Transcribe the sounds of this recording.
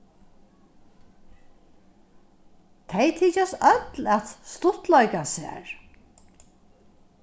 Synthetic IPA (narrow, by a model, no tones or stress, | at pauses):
t̪ʰɛjt̪ʰiːt͡ʃasœt̪læt̪st̪ʊt̪lɔjkasæ̰ːɹ